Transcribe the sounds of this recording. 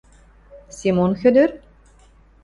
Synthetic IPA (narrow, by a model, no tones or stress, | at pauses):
sʲimonxød̪øɾ